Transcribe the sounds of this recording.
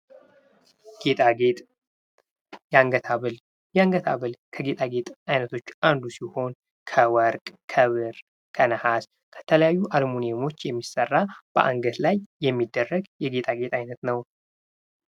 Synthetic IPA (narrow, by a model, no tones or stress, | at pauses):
ɡ̥et̪ʼaɡet̪ʼ | jaŋɡət̪ʰaβɨl | jaŋɡət̪ʰaβɨlkʰəɡe̞t̪ʼaɡe̞t̪ʼajnət̪ʰo̞t͡ʃːʔand̪usiho̞n | kʰəwəɾkʼkʰəβɨɾ | kʰənəhas | kʰə̥t̪ʰələjajːuʔalmunemo̞t͡ʃːjɛmːisərːab̥ə̰ʔa̰ŋɡət̪lajːɛmːid̪ːərːəɡjɛɡe̞t̪ʼaɡe̞t̪ʼajnət̪nəw